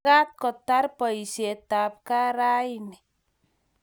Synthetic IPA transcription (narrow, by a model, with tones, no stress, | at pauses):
a˦t̪̚kɔ˨t̪a˦rpɔ˨i˨se˨t̪a˨p̚ka˦ɾa˦ini˨